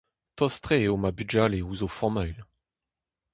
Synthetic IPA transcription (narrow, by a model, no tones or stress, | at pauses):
t̪ɔst̪χeomabyd͡ʒaleuzofɔʁmœɥl